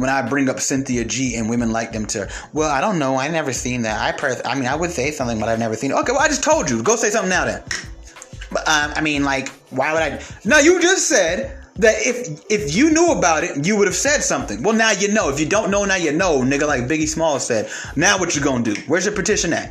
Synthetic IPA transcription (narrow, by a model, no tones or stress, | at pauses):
wə̃ɾ̃aɪbɹɪ̃ŋʌpsɪ̃nθiɨd͡ʒiɨ̃nwɪ̃mɨ̃nlaɪk̚ðɨ̃mtʰɨ | wɛlˠaɪɾõʊ̃nːoʊaɪvnɛvə˞sĩnðæ̰ta̰ɪpʰɹ̥ɜ˞a̰ɪmĩnaɪwɨd̥seɪsʌ̃mθɪ̃ŋbʌɾaɪɨvnɛvə˞sĩnɨtʔoʊkeɪwɛlˠaɪd͡ʒʌstʰoʊlˠd͡ʒɨɡoʊseɪsʌ̃mθɪ̃ŋnaʊðɨ̰̃n | ʌʔʌ̃maɪmĩnlaɪk | waɪwəɾaɪnaʊjɨd͡ʒʌstsɛd̚ðɨɾɪfɪfjɨnuəbaʊɾɪtjɨwʊɾɨv̥sɛd̥sʌ̃mθɪ̃ŋwɛlˠnaʊjɨnoʊɨfjɨdõʊ̃nːoʊnaʊjɛtⁿnoʊnɪɡəlaɪk̚bɪɡismɔlˠsɛd̚ | naʊwʌt͡ʃəɡoʊɪ̃dɨwə˞zðɨpʰɨtʰɪʃɨ̃nɨ̰t̚